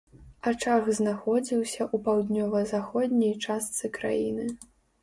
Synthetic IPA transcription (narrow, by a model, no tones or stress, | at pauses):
at͡ʂaɣznaxɔd͡zʲiwsʲɐʔupawd̪nʲɔvɐzaxɔd̪ʲnʲɐjt͡ʂast̪sɨkɾa̰jinɨ